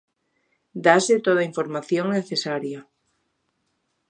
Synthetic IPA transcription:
d̪aset̪oð̞aiɱfoɾmaθjoŋneθesaɾja

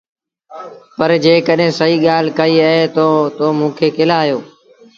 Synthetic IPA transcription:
pəɾd͡ʒeːkəɗɦẽːsəiːɠaːl̤kəiːəɦeːt̪ot̪oːmũːkʰeːkɪlaːjoː

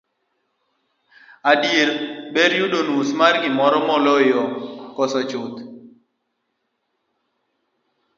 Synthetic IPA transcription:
adjeɾbeɾjuɗonusmarɡɪmɔɾɔmɔlojɔkɔsɔt͡ʃʊt̪

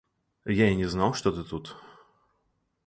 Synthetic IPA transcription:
jainʲɛznawʂt̪ɔt̪ɨt̪ut̪

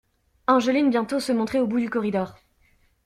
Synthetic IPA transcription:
ɛ̃ʒəlinbjɛ̃t̪osəmɔ̃t̪χɛobud̪ykɔʁid̪ɔːʁ

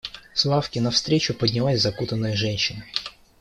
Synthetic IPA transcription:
slˠafkʲɪnɐfst̪ɾʲet͡ɕʊpədʲnʲɪlˠasʲzɐkut̪ənːəjəʐɛnʲɕːɪnə

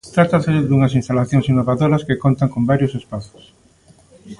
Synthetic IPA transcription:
t̪ɾat̪aseðuŋɐsinst̪alaθjoŋsinːoβaðoɾɐskekont̪aŋkombaɾjʊsespaθʊ̥s

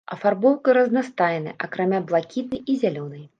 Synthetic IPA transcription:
ɐfarbɔwkɨɾɐznast̪ajɛnɨ̰jʔakɾamʲablˠakʲit̪̚nɨjizʲalʲɔnɨj

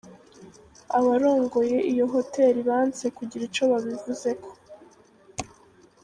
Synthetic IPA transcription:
aβaɾo̞ːŋɡo̞je̞ʔijo̞ɦo̞te̞ːɾiβaːnt͡se̞kuɟiɾit͡ʃo̞βaβivuze̞kʰo̞̥

